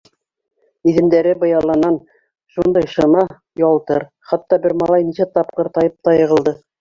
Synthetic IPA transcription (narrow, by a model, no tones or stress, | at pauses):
iðɘ̆nd̪æɾɘbɤ̆jɑlˠːɑnɑn | ʃund̪ɑjʃɤ̆mɑ | jɑlˠt̪ɤɾ | χɑt̪ːɑbɘɾmɑlˠɑjnisæt̪ɑp̚qɤɾt̪ɑjɤp̚t̪ɑjɤ̆ʁɤ̆lˠd̪ɤ